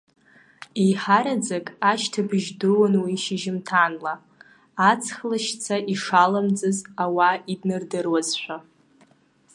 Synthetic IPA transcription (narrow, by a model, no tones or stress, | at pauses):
ejħaɾad͡zakʼaʃtʰabɨʒdɨwanwiʃɪʒɪmtʰanlaː | t͡sʰχlaʃt͡sʰaʔiʂalamd͡zʼɨzawaidnɨrdɨrwazħʷᶣa